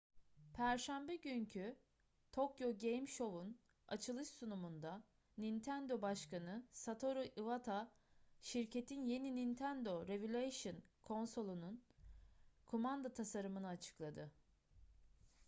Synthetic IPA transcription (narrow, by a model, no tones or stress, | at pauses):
pʰæɾʃæmbɛɟyɲcʰy | t̪ʰo̞kjo̞ɟejmʃo̞vun | a̰t͡ʃʰɯlˠɯʃsunumund̪a | nint̪ʰænd̪o̞baʃkanɯsat̪ʰo̞ɾuʔivat̪ʰa | ʃiɾcʰe̞t̪ʰinje̞ninint̪ʰænd̪o̞ɾevylʲajʃɯnkʰo̞nso̞lˠunun | kʰomand̪at̪ʰasaɾɯmɯnɯat͡ʃʰɯ̥klˠad̪ɯ